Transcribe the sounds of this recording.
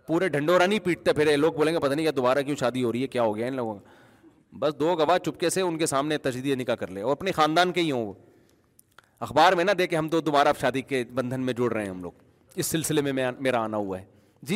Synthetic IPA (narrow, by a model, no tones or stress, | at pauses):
puːɾeɖʱɐ̃ɳɖoːɾanĩpiːʈ̚t̪epʰɪɾeloːɡ̚boːlẽːŋɡepɐt̪aːnĩkjad̪ʊbaːɾakjõːʃaːd̪iɦoːɾəiɦɛkjaːɦoːɡɐjanloːɡõka | bɐsd̪oːɡɐʋat͡ʃʊp̚keseʊnkesaːmnet̪ɐd͡ʒiːd̪isenɪkakɐɾleːɔːɾɐpnexaːnd̪aːnkeiɦõː | ɐxbaːɾmẽnad̪eːkeɦɐmt̪od̪ʊbaːɾaʃaːd̪ikebɐ̃nd̪ʱənmẽd͡ʒʊɽɾɐɦẽɦɐmlo̰ːɡ̚ | ɪsːɪlsɪlemẽmɛ̃meːɾaːnaɦuaɦɛː | d͡ʒiː